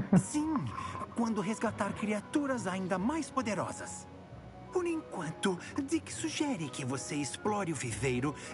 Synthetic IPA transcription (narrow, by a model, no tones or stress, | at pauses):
sĩkwɐ̃nd̪ʊɦezɡat̪aɾkɾiat̪uɾɐzaĩnd̪ɐmajspod̪eɾɔ̰zɐ̰s | poɾẽŋkwɐ̃nt̪ʊd̪ɪkɪ̥suʒɛɾɪkɪvoseɪsplɔɾɪʊvivejɾʊ